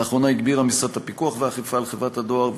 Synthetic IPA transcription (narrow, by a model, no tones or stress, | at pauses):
χʁo̞naiɡbiʁhamisat̪hapikuaχveaχifaːlχevʁathado̞aʁ